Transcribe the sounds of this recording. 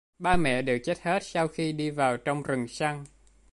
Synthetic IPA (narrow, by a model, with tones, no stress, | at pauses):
ɓaː˧mɛ̰˧˨ɗɨ˨˩k̚t͡ɕe˦˥t̚he˦˥t̚sa˧wxi˧ɗi˧vaː˨˩wt͡ɕɔ˧wŋ͡mɾɨ˨˩ŋsa˧ŋ